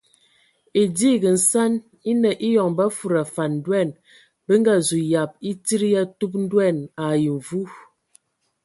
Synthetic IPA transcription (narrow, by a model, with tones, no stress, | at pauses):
e˨di˦˨ɡə˨n̩˨sa˦n | i˦nə˨ʔi˦jɔ˨ŋba˦fu˨ɾa˨fa˨n˨dwɛ˦˨n | bə˦ŋɡa˦zu˨ja˨p̚i˦ti˦ɾi˦ja˦tu˦p̚n̩˦dwɛ˦˨na˨ji˨ɱ˨vu˦